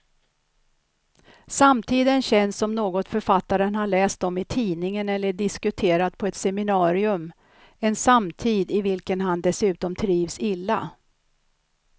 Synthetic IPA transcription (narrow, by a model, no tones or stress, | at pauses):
samt̪ʰiːd̪ənɕɛnsɔmnoːɡɔt̪fœɾfat̪ːaɾənhaɭɛːst̪ɔmɪt̪ʰiːnɪŋənɛlːəɖɪskɵt̪ʰeːɾad̪̚pʰɔɛt̪sɛmɪnɑːɾɪɵm | ɛnsamt̪ʰiːd̪ɪvɪlkənɦand̪ɛsʉ̟ːt̪ɔmt̪ʰɾiːvsɪlːa̰